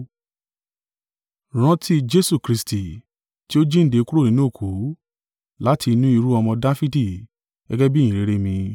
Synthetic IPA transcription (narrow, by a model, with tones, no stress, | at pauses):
ɾ̃ã˦tʰi˦d͡ʒe˦su˦˨kɾi˧sti˨ | ti˦o˦d͡ʒĩ˦n̩˦de˧ku˦ɾo˦˨ĩ˦nũ˦˨kʰu˨˦ | la˨˦tʰi˧nũ˦i˧ɾu˦ɔ˧mɔ̃˧da˦fi˦di̥˦˨ | ɛ̰˦ɡɛ˦bi˦jĩ˨ɾe˨˦ɾe˦mĩ˧